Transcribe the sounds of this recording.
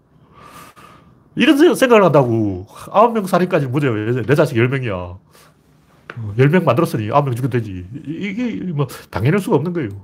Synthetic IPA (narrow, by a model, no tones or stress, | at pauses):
iɾʌnssʰe̞ŋɡaɡɯɭhandaɡoaʌmjʌŋsʰaɾik͈ad͡ʑiɾɯnmod͡ʑejoene̞d͡ʑaɕʰiɡjʌɭmjʌŋija̰ | jʌɭmjʌŋmandɯɾʌs͈ɯɲiʔa̰omjʌŋt͡ɕukʰedwed͡ʑiiɡemʌtaŋenɯɭs͈uɡaʌmnɯnɡʌe̞jo